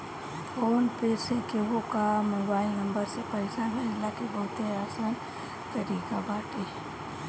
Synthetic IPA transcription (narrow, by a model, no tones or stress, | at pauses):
oːnpeːsekewokamoːbaːɪlnə̃mbəɾsepɐesanɦɛ̃ɪlakebɐɦʊt̪eaːsaːn | t̪ɐɾiːkabaːʈe